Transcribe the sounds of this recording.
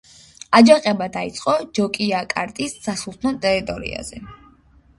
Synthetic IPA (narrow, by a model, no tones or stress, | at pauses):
ad͡ʒaqʼɛbad̪ait̪sʼqʼɔd͡ʒɔkʼiakʼaɾt̪ʼissasulˠt̪ʰnɔt̪ʼɛɾit̪ʼɔɾḭa̰z̥ɛ